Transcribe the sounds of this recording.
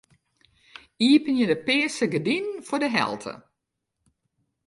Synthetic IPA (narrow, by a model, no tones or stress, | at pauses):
iəpənjədəpɪːsəɡədinfʊdəɦɛ̰lˠtʰə̰